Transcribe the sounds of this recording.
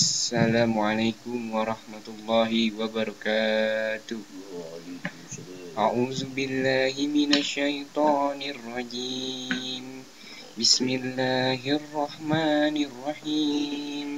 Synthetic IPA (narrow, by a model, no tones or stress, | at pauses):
ʔʔasːalaːmʊʕalajkʊmwɑɾˤɑħmat̪ʊlˤːɑːɦɪwabɑɾˤɑkaːt̪ʊh | ʔaʕuːzʊbɪlːaːɦɪmɪnaʃːajt̪ˤɑːnɪrˤːɑd͡ʒiːm | bɪsmɪlːaːɦʔrˤːɑħmaːnrˤːɑħiːm